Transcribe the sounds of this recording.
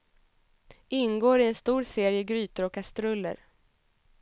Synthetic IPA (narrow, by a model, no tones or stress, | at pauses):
ɪnɡoːɾɪɛnst̪uːɾseːɾɪəɡɾyːt̪əɾɔkʰːast̪ɾɵlːə̰ɾ